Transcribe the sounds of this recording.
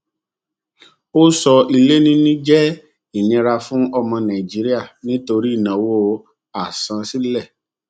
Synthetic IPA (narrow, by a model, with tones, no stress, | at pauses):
o˦sɔ˧i˧le˦nĩ˦nĩ˦d͡ʒɛ˦ | i˦˨ɲĩ˧ɾa˧fũ˦ɔ˧mɔ̃˧nã˨i˨d͡ʒi˦ɾi˦a˦˨nĩ˦to˧ɾi˦˨nã˨wo˦ | a˨sã˧si˦lɛ˦˨